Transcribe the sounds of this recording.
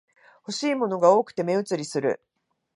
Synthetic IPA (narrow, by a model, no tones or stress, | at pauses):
ho̞ɕiːmo̞no̞ɡao̞ːkɯ̟̥t̪e̞me̞ɯ̟t͡sɨɾʲisɨɾɯ̟̰